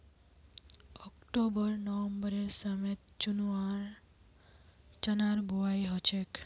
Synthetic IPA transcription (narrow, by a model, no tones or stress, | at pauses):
ɔkʈobəɾnɔʋəmbəɾeɾsamet̪̚t͡ʃunuaɾ | t͡ʃənaɾbʱuajɦɔt͡ʃʰek